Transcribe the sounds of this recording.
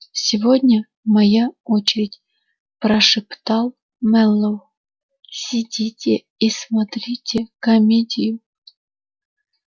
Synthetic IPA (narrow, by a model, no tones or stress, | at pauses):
sʲɪvodʲnʲə | mɐjaot͡ɕɪɾʲɪtʲ | pɾɐʂɨpt̪ɑlˠ | mɛlˠːow | sʲidʲitʲe | ismɐt̪ɾʲitʲekɐmʲedʲɪjʊ